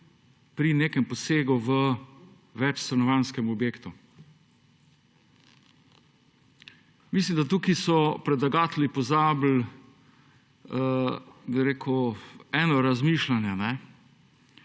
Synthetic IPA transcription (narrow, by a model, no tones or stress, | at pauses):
pɾineːkɛmposeːɡuʋə | ʋɛt͡ʃst̪ɾɛnɔʋanskɛmɔbjeːkt̪u | mis̬limd̪at̪uːkisɔpɾɛd̪laɡaːt̪lipɔzaːbl̩ | biɾeːkʰuɛːnɔɾazmiːʃlanjɛnɛ